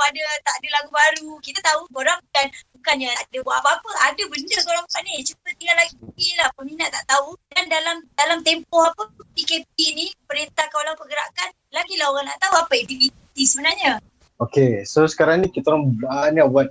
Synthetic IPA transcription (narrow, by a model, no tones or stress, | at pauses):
adət̪aʔadəlaɡubaɾukit̪at̪auoɾaŋbukanbukanjaaʔdəbaapapəʔadəbənd͡ʒəsoɾaŋbkanit͡ʃut̪ət̪iŋɡalːaɡiipilahpəminaʔt̪aʔt̪audandalamdalamt̪empɔhapəpikep̚inipəɾent̪akaolaŋpəɡəɾa̰ʔkan | laɡilahoɣaŋna̰ʔt̪auapəet̪ivit̪isəbənarɲə | okesosə̥kaɾaŋnĩkit̪alaŋaniabuat̪̚